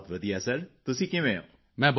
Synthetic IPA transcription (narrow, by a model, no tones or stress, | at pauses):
t̪ʋəd̪iːɛːsɐɾt̪ʊsĩːkɪ̃ʋẽõ̰ː | mɛ̃ːb